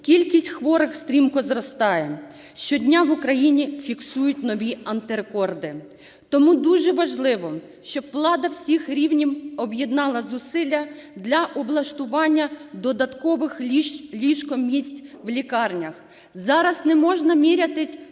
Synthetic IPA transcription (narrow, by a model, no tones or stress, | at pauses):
kʲilʲkʲisʲtʲxʋɔɾɪxst̪ɾʲimkɔzɾɔst̪ɑjɛ | ʃt͡ʃɔdʲnʲaʋʊkɾɐjinʲifʲiksujʊtʲnɔʋʲiɐnt̪ɪɾekɔrd̪ɪ | t̪ɔmud̪uʒɛʋɐʒlˠɪʋɔ | ʃt͡ʃɔbʋlˠɑd̪ɐwsʲixɾʲiwnʲimɔbjed̪nɑlˠɐzʊsɪlʲːɐd̪lʲɐʔɔblˠɐʃt̪ʊʋɑnʲːɐd̪ɔd̪ɐt̪kɔʋɪxlʲiʃkɔmʲisʲtʲʋlʲikɑrnʲɐx | zɑɾɐsnɛmɔʒnɐmʲiɾʲɐt̪ɪsʲ